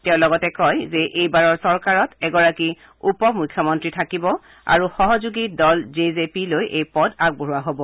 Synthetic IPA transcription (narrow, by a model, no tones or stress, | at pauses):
tɛʊ̃lɔɡɔtɛkɔjzɛʔejbaɹɔɹsɔɹkaɹɔtɛɡɔɹaki | upɔmujkʰjɔmɔntɹitʰakibɔ | a̰ɹuxɔɦɔzuɡidɔlzezepilojʔejpɔdaɡ̚boɦuwaɦobɔ